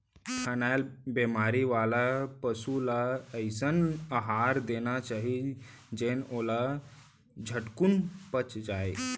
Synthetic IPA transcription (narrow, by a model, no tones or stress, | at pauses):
kʰənaːlbemaːɾiʋaːlapəsulaəɪsənəɦaːɾd̪eːnat͡ʃaːɦi | d͡ʒeːnoːla | d͡ʒʱəʈkunpət͡ʃd͡ʒaːe